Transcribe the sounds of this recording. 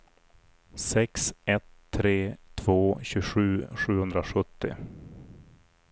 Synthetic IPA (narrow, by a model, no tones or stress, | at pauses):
sɛksɛt̪ʰːɾeːt̪ʰv̥oːɕʉɧʉ̟ːɧʉ̟ːhɵnd̪ɾaɧɵt̪ːɪ̰